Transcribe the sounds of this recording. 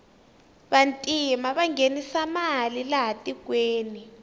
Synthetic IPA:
ɓantʼimaɓaŋɡenisamalilaɦatʼikweːni

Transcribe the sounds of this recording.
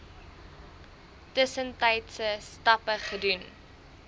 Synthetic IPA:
təsəntɐjtsəstɐpəχədun

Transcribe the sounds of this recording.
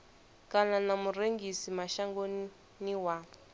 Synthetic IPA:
kananamureŋɡisimaʃaŋɡon | niwa

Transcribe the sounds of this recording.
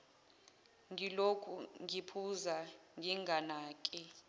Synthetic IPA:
ŋilokʰuŋipʰuzaŋiŋɡʱanaːkʼi

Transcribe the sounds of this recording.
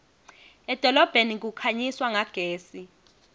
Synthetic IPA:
ɛd̥ʱɔlɔb̥ʱenik̬ukʰaɲiswaŋaɡ̥ʱeːsi

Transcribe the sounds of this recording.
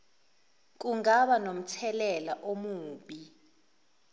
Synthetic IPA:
k̬uŋaɓanom̩t͡sʰɛlɛlaʔomuːɓi

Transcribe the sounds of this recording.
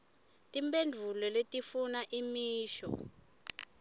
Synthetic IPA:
tʼimpendʱulɔletʼifunaʔimiːʃɔ̰

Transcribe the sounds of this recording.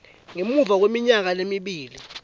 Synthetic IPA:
ŋemuvak̬wemiɲak̬alemiɓiːli

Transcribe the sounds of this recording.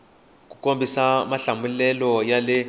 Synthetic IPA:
k̬ʼukʼombʱisamaɬambulɛlɔjalɛ

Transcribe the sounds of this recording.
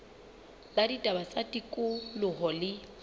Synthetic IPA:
laditʼabat͡sʼatʼikʼʊlʊɦɔlɪ

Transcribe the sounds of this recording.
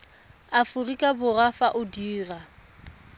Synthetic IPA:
afʊrikʼabʊrafaʔʊdiːra

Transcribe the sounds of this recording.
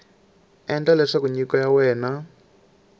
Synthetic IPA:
ɛnd͡ɮalɛʂakuɲikɔjawɛːna

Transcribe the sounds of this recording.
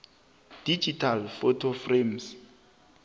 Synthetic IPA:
d̥id͡ʒitʰalfɔtʰofrems

